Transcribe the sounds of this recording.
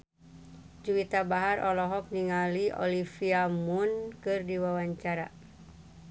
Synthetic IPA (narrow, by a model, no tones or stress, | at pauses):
d͡ʒuwit̪abaɦarʔɔlɔɦɔk̚niŋaliʔɔ̰lifiamunkɨrdiwawaɲt͡ʃaɾa̰